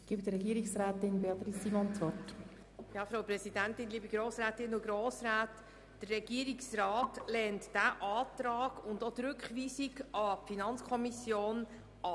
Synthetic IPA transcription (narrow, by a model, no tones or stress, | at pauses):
ɡ̥iːbd̪əɾɛɡiːɾɪksɾæːtɪnbeɑt̪ɾisimɔnt͡svɔrt | jɑːfɾawprɛsidæntɪnliːbəɡ̥ɾoːsrɛːtɪnːʊɡɾoːsraːtː | d̥ərːɛɡ̥iːɾiksrɑːtlɛːntd̥æʔɑːt̪ɾɑːɡ̥ʊndotɾʏkχʋiːsiɡɑfinɑnt͡skʰɔmisjoːn | ɑ